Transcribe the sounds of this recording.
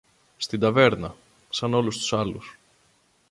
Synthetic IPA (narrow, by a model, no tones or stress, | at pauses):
st̪ind̪ɐve̞ɾnɐ | sɐno̞lust̪u̥sɐlus